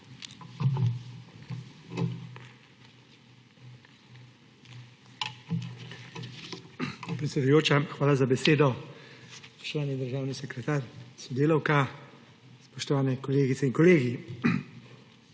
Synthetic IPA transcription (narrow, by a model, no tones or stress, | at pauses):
pɾɛt̪sʲɛd̪ujoːt͡ʃaxʋaːlazabɛseːd̪ɔ | spɔ̥ʃt̪ɔʋaːnid̪əɾʒaːwnisɛkɾɛt̪aːɾsɔd̪eːlɔwka | spɔʃt̪ɔʋaːnɛkɔleːɡit̪sɛiŋkɔleːɡi